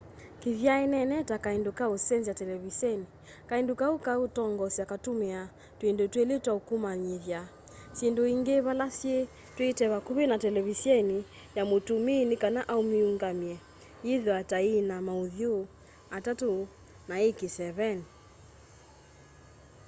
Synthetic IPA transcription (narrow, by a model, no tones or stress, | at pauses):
kiðjaɛnɛnɛtakaindukausɛnzijatɛlɛβisɛni | kaindukaukautɔŋɡɔsiakatumɛa | twendotweletwaukumaɲiðja | sendoiŋɡeβalasie | twetɛβakuβenatɛlɛβisjɛni | jamotuminikanaʔaumiuŋɡamiɛ | iðwatainamauðjo | atatu | naekisɛβɛni